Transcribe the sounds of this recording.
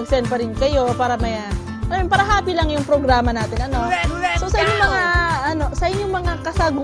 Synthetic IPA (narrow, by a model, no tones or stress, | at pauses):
ɐɡ̚sɛnd̪̚pɐɾɪnkɐjo̞paːɾɐmɐja | ʔɐnjɛpaɾɐɦaːpilɐŋjʊŋpɾoɡɾaːmɐnaːt̪ɪnʔɐno̞sosɐʔɪɲːoŋmɐŋaʔɐno̞sɐʔɪɲːoŋmɐŋakɐsaɡʊ